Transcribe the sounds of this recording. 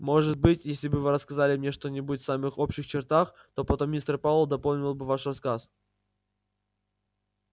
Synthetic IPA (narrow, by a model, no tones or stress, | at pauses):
mo̞ʐɨt̪̚bɨtʲjesʲlʲɪbɨvɨɾəskɐzalʲɪmnʲeʂt̪onʲɪbutʲfsamɨxo̞pɕɪxt͡ɕɪrt̪ax | t̪o̞pɐt̪omʲist̪rpavlˠəd̪ɐpolˠnʲɪlˠbɨvaʂrɐskas